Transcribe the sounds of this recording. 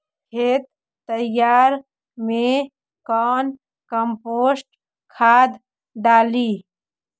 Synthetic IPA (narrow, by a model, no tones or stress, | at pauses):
kʰeːt̪̚ː | əjaːɾ | mẽ | kɔːn | kəmpoːsʈ | kʰaːd̪ | ɖaːli